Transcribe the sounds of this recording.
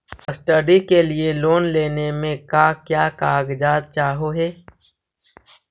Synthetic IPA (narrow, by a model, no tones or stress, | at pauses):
əsʈəɖikelieloːnleːnemẽkaːkjaːkaːɡd͡ʒaːd̪̚t͡ʃaːɦoɦɛː